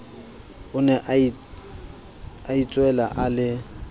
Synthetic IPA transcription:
ʊnɛʔ | ait͡sʼwɛlaʔalɪ

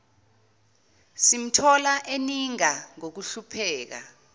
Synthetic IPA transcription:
sim̩tʰɔlaʔeniŋaŋok̬uɬupʰɛːk̬a̰

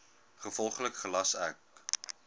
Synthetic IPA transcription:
χəfɔlˠχləkχəlɐsœk

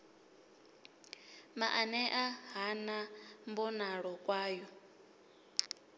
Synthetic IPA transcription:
maʔanɛʔaɦanambɔnaɺɔkʼwaːjɔ

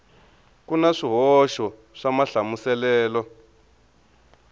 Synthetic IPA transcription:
kunaʂiɦɔʃɔ | ʂamaɬamusɛlɛːlɔ

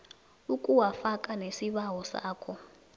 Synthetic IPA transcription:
ukʼuwafakʼanesiβawɔsa̰ːkʰɔ

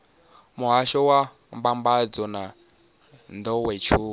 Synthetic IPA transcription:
muɦaʃɔwa | mbambad͡zɔna | nd̪ɔwɛt͡ʃʰuː

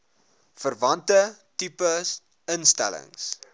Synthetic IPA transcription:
fərvɐntətipəs | ənstæ̰lə̰ŋs

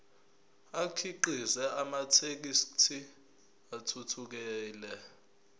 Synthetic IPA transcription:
akʰiǃizɛʔamatʰek̬istʰi | atʰutʰuk̬ɛːlɛ

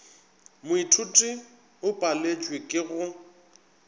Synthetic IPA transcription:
mʊitʰutʼi | ʊpʼalet͡ʃʼwekʼɪɣʊ

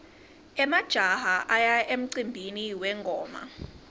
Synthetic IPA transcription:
ɛmad̥ʒ̥ʱaɦaʔajaʔem̩ǀimbʱiniwɛŋɡʱɔːma̰

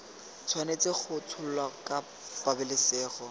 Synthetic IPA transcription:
t͡sʰwanet͡sɪk͡xʰʊt͡sʰʊl̩lwakʼa | b̥abɪlɪseːχɔ

